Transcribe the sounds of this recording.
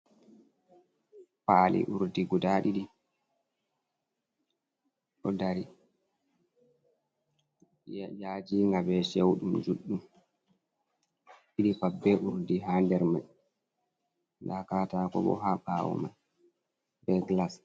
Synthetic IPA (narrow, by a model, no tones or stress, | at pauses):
paːlḭʔuɾdiɡudaɗiɗi | ɗɔdaɾi | jad͡ʒiŋɡabɛʃewɗumd͡ʒuɗːum | iɗipabːɛʔuɾdiɦaːndɛɾmaj | lakatakɔ̰ɓɔ̰ɦaɓawɔ̰ma̰n | bɛklas